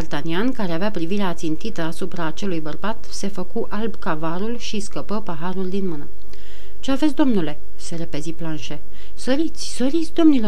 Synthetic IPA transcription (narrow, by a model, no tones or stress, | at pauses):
bart̪aniankaɾeaveapɾiviɾeat̪sint̪it̪əasupɾaːt͡ʃe̞lujbərbat̪se̞fəkuʔalbkavaɾulʃiskəpəpaɦaɾuld̪inmɨnə | t͡ʃeave̞t̪s̬ʲd̪o̞mnule̞ | se̞ɾepe̞ziplanʃe̞ | səɾit̪sʲsəɾit̪sʲd̪o̞mnilo̞